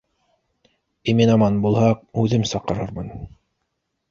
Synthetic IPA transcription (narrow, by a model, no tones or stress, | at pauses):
iminɑmɑnbulˠhɑq̚ʉðɘmsɑqɤ̆ɾɤɾmɤn